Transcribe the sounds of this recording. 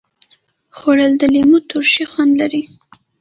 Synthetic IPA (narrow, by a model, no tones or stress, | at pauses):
xoɽəld̪əlemut̪ʊɾʃixwand̪laɾi